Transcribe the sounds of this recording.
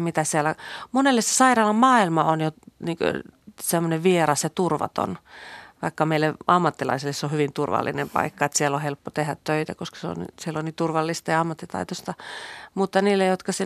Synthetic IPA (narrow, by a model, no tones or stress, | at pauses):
mit̪æsiælæmonelːese̥sɑirɑːlɑmmɑːilmɑonjoniːŋkø̰semːoneʋʋierɑsjɑt̪urʋɑ̰t̪o̰nʋɑikːɑmeilːeʔɑmːɑt̪ːilɑ̰isilːesːohyʋint̪urʋɑ̰lːinempɑ̰ikːɑet̪sielːohelpːot̪ehæt̪tøit̪æ̰koskɑ̥seo̰nnḭsieloniːt̪urʋɑlːist̪ɑjɑɑmːɑt̪ːit̪ɑ̰it̪ost̪ɑmut̪ːɑniːlːejjot̪kɑsi